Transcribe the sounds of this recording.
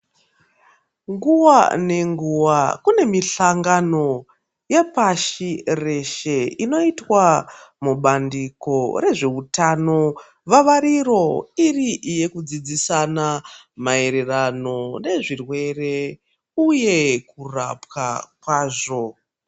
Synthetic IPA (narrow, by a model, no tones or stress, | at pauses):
ŋɡuʋa̰ne̞ŋɡuʋakune̞miɬaŋɡano̞ | jepaʃire̞ʃe̞ino̞itwamuɓandiko̞re̞ʐe̞utano̞ | ʋaʋaɾiro̞iriʔije̞kud͡zid͡zisanamae̞ɾe̞rano̞ne̞ʐirwe̞re̞ | uje̞kura̰pkakwaːʐo̞